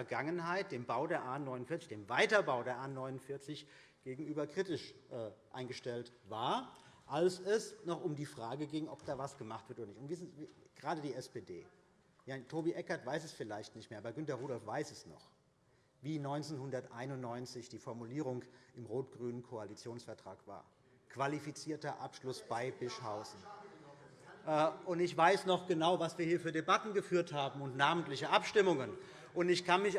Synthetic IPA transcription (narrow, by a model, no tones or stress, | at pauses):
fɛɐɡaŋənhaɪt̚d̥eːmbaʊdeːɐʔaːnɔʏnʊnfɪɐt͡sɪçd̥eːmvaɪtɐbaʊdeːɐʔaːnɔʏnʊnfɪɐt͡sɪç | ɡ̥eːɡŋ̩ʔyːbɐkʁ̥itɪʃʔɛːʔa̰ɪnɡəʃtɛltvaːɐʔalsɛsnɔχʔʊmdiːfʁ̥aːɡəɡɪŋʔɔp̚d̥aːvasɡ̥əmaχtv̥ɪɐtʔoːdɐnɪçtʊntv̥iːzɡ̥əʁaːdədiːɛspeːdeː | jatʰoːbiʔɛkɐtv̥aɪsɛsfɪlaɪçtnɪçtmeːɐaːbɐɡʏntɐʁuːɾɔlfv̥aɪsɛsnɔ̰χ | viːnɔʏnt͡senhʊndɐtʔaɪnʊnnːɔʏnt͡sɪçd̥iːfɔɐmuliːʁ̞ʊŋɪmʁoːtɡ̥ʁyːnənkʰoalit͡sjoːnsfɛɐtʁ̥a̰ːkv̥a̰ːɐ | kv̥alifit͡siːɐtɐʔapʃlʊsb̥aɪbɪʃhaʊzn̩ | ʔːʔʊntɪçv̥aɪsnɔχɡ̥ənaʊvasv̥iːɐhiːɐfyːɐdebatn̩ɡəfyːɐthaːbm̩ʊntnaːməntlɪçəʔapʃtɪmʊŋən | ʔʊntɪçkʰanmɪç